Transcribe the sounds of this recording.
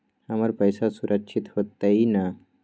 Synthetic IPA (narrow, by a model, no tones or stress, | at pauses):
hamaɾpəjsasuɾʔəkɕit̪hot̪ːaina